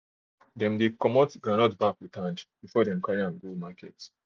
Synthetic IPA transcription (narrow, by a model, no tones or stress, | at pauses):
dɛ̃mdekɔmɔtɡɹanɔtbakwitʰãnd͡ʒb̥ifɔdɛ̃mkaɹiãnɡulmakʰɛt